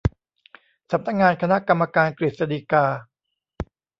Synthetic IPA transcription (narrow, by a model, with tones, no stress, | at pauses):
sa˨˩p̚na˦˥k̚ŋaː˧nkʰa˧na˦˥ʔka˧mːa˧kaː˧nkɾi˨˩t̪̚sa˧diː˧kaː˧